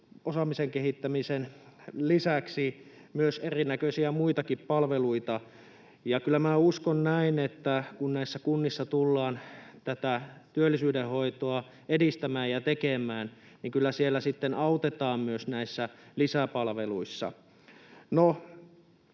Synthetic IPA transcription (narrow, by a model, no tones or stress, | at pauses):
osɑmiseŋkehit̪ːæmisenlisæksi | myøserinækøsiæmuit̪ɑkippɑlʋeluit̪ɑ | jɑkylːˑæmæːuskonnæinet̪ːækunnæisːækunːisːɑt̪ulːɑːnt̪æt̪æt̪yølːisyːdehoit̪oɑ | edist̪æmæːjjɑt̪ekemˑæːn | niŋkylːæsielːæsit̪ːenɑut̪et̪ɑːmmyøsnæisːælisæpɑlʋeluisːɑ̰ | no